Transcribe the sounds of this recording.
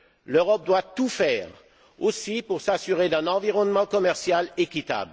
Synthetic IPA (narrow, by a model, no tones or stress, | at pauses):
løʁɔp̚d̪wat̪ufɛːʁ | osipuʁsasyʁed̪ɛ̃nɑ̃viʁɔnmɑ̃kɔmɛʁsjalekʲit̪a̰bl